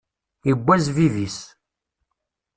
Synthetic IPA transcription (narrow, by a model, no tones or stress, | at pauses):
əbʷːæzviðis